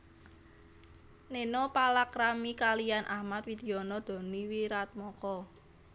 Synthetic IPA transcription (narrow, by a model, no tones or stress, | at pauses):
nenɔpalakɾamikalijanʔahmat̪̚fid̪̥i̤ɔnɔd̪̥ɔ̤niwiɾat̪̚mɔkɔ